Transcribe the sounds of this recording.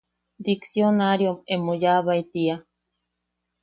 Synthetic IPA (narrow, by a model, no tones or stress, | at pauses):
d̪iksjonaɾjomemojaβait̪ia